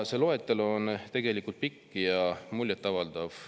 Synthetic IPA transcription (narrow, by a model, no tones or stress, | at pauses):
selo̞e̞t̪ːˑelo̞nt̪e̞ɡ̥e̞likːˑult̪̚pikːˑjɑmulʲjet̪ːˑɑvɑld̪̥ɑv